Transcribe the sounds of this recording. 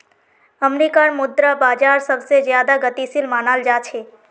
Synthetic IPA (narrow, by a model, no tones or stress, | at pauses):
əmɾikanmud̪ɾabaːd͡ʒaɾsəbʱsed͡ʒjad̪aɡət̪isilmanald͡ʒat͡ʃʰe